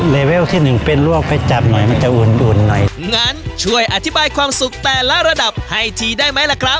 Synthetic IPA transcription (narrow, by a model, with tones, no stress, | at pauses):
leː˧we˦˥˨wt̪ʰiː˥˩nɯ˨˩ŋpe˧nlu˥˩ək̚pa˧jt͡ɕa˨˩p̚nɔ˨˩˦jma˧˥nt͡ɕa˨˩ʔuː˨˩nʔuː˨˩nːɔ˨˩jŋaː˦˥˨nt͡ɕʰu˥˩əjʔa˨˧˩t̪ʰi˦˥baː˧jkʰwaː˧msu˨˩k̚t̪ɛː˨˩lɛ˦˥ɾa˧da˨˩p̚ha˥˩jt̪ʰiː˧daː˥˩jma˦˥jlɛː˦˧˩kʰɾa˦˥p̚